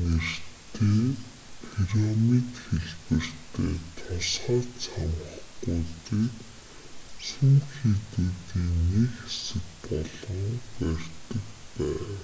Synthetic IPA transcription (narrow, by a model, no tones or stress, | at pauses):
er̥t̪ʰeː | pʰiɾɔmikxeɮpɘ̆r̥t̪ʰeːt̪ʰʊsχaːrt͡sʰamχɡujtiːk̪ | suŋxit̪uːt̪iːnekesɘ̆kpɔɮɞ̆ŋpær̥ʲt̪ə̆kpæːw